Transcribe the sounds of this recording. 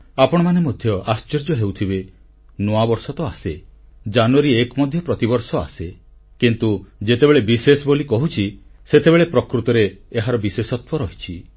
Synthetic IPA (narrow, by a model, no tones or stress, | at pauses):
apɔɽ̃ɔmanemɔd̪ʱjɔʔast͡ʃiɾd͡ʒɔɦewt̪ʰibe | nɔabɔɾsɔt̪ɔased͡ʒanuaɾiekɔmɔd̪ʱjɔpɾɔt̪ibɔɾsɔa̰se | kint̪ud͡ʒet̪ebeɭebisesɔbolikɔɦut͡ʃʰiset̪ebeɭepɾɔkɾut̪ɔɾeːɦaɾɔbisesɔt̪wɔɾɔɦit͡ʃʰi